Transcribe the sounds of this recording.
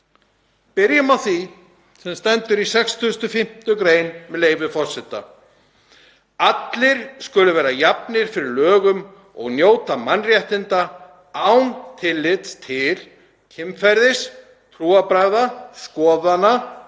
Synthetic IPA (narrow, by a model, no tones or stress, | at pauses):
pɪɾjʏmawθi | sɛmst̪ɛnt̪ʏɾisɛkst̪ʰːst̪ʏfɪm̥t̪ʏkɾeːjnmɛðleːjvʏfɔr̥sɪt̪ːa̰ | at̪lɪɾ̥skʏlʏvɛːɾajapnɪɾ̥fɪɾɪɾlœːɣʏm | ɔ̰ɣnjoːwt̪amanrjɛht̪ɪnt̪a | awnt̪ʰɪlːɪt̪st̪ʰɪl | cʰɪmfɛɾðɪs | t̪ʰɾuːapɾaɣðaskɔːðana